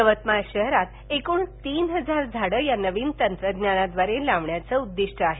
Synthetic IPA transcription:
əʋət̪maɕəɦɾat̪ | ekuːɳt̪iːnɦəd͡zaɾd͡zʱaɽəːjanəʋiːnt̪ənt̪ɾəɡ̪njanad̪ʋaɾelaʋɳjat͡səud̪ːiʂʈʰəaɦe

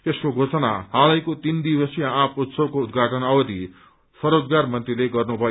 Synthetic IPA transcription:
t̪eskoɡʱot͡sʌna̰ɦalʌjkot̪ind̪ibʌsjaãput̪sʰʌkoud̪ɡʱaʈʌnʌwʌd̪i | sʌɾod͡zɡarmʌnt̪rileɡʌrnubʱʌjo

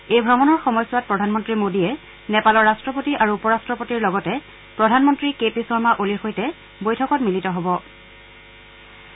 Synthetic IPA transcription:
ejbʱɹɔmɔnɔɹxɔmɔjswat̚pɹɔdʱanmɔntɹimodiɛ | nɛpalɔɹːastɹɔpotiʔaɹuːpɔɹastɹɔpotiɹlɔɡɔtɛ | pɹɔdʱanmɔntɹikepisɔɹmaʔolixojtɛ | bojtʰɔkɔtmilitɔɦɔbɔ

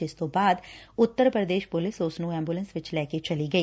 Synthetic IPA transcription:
ɪst̪õːbaːd̪ʊt̪ːəɾpɾəd̪eːʃpʊlɪsʊsnũːɛ̃ːmbjuːlə̃nsʋɪt͡ʃlɛːket͡ʃəliːɡəiː

